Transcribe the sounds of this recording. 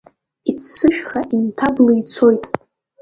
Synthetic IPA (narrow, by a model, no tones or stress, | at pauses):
it͡sʰt͡sɨʃᶣχaʔintʰabloit͡sʰo̞jtʼ